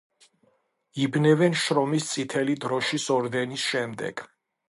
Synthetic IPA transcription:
ibnɛvɛnʃɾɔmist̪sʼit̪ʰɛlid̪ɾɔʃisɔɾd̪ɛnisʃɛmd̪ɛ̰ɡ̥

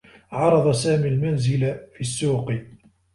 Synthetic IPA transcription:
ʕɑɾˤɑd̪ˤɑsaːmilmanzɪlafiːsːuːq

